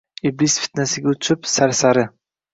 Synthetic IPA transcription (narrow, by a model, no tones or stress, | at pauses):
iblisfi̥t̪nasɪɡʲaʊɪpsaɾsaɾɪ